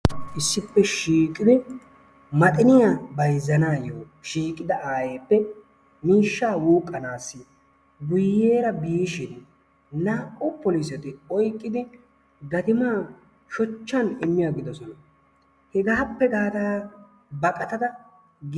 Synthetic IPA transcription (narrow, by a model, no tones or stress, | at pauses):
ʔɪsːɪpːɛʃiːkʼːɪd̪ɪ | mɐt̪ʼɪnɪjabɐjzːɐnaːjoː | ʃiːkʼːɪd̪ɐʔaːjeːpːɛ | miːʃːaːwuːkʼːɐnaːsːɪ | ɡʊjːe̞ːɾɐbiːʃɪn | naːʔʊpɔlis̬ɛt̪ɪɔjkʼːɪd̪ɪ | ɡɐt̪ɪmaː | ʃɔt͡ʃːɐnɪmːɪjaɡɪd̪ɔsɔnɐ | hɛɡaːpːɛɡaːt̪aː | bɐkʼɐt̪ɐd̪ɐ | ɡ